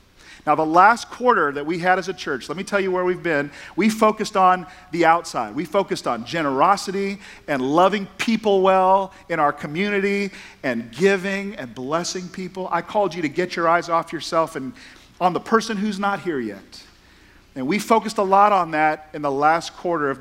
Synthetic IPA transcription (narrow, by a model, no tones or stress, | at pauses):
naʊðəlæskʰw̥ɔɹɾə˞ðɨt̚wiɨɾɨzɨt͡ʃʰɜ˞t͡ʃlɛt̚mitʰɛlˠjɨwə˞wivbɪ̃nwifoʊkɨstn̩ðiaʊtsaɪd̚wifoʊkɨstn̩d͡ʒɛñə˞ɑsɨɾi | ɨ̃nlʌvɪ̃ŋpʰipl̩ˠwɛlˠ | ɨ̃ɾ̃aʊə˞kʰɨmjʉnɨɾi | ɨ̃nɡɪvɪ̃ŋɨ̃nblɛsɪ̃ŋpʰipl̩ˠa̰ɪkʰɔlˠd͡ʒɨɾɨɡɛt͡ʃə˞aɪzɔfjə˞sɛlˠfɨ̃ñ | n̩ðəpʰɜ˞sɨ̃nɦʉznət̚hiɹjɛ̰t̚ | ɨ̃nwifoʊkɨstəlɔɾn̩ðɨɾɨ̃nðəlæskʰw̥ɔɹɾə˞ʌv